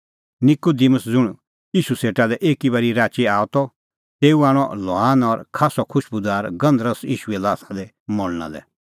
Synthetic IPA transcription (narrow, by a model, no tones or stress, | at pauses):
nɪkud̪iməsd͡zʊɽ̃ | iːʃuseːʈalɛʔeːkibɐɾiɾaːt͡ʃiaːɔt̪ɔ | t̪eːuaːɽ̃ɔlɔaːnɔɾkʰaːsɔkʰʊʃbʊd̪aːɾɡɐ̃nd̪ɾəsḭːʃuɛlaːt̪ʰad̪ɛ | mɔlna̰lɛ̰